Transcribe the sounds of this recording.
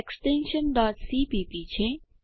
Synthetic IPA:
eksʈẽnʃənɖɔːʈsiːpiːpit͡ʃʰe

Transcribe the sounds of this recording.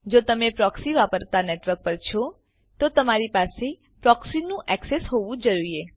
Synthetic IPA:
d͡ʒot̪əmepɾɔksiʋapəɾt̪aneʈʋəɾk̚pəɾt͡ʃʰɔ | t̪ot̪əmaɾipase | pɾɔksinũʔɛksesɦoʋũd͡ʒəɾuɾie

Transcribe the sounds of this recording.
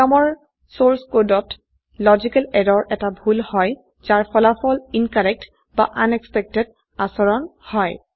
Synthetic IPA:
amɔɹ | soɹskodɔt | lɔzikalɛdɔɹʔɛtabʱulhɔj | zaɹpʰɔlapʰɔlinkaɹɛk̚t | baʔanɛkspɛk̚tɛd | asɔɹɔnhɔj

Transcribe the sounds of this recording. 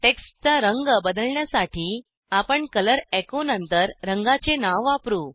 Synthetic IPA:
ʈekst͡saɾəŋɡbəd̪əlɳjasaʈiː | apəɳkələɾɛkonənt̪əɾɾəŋɡat͡senaʋapɾuː

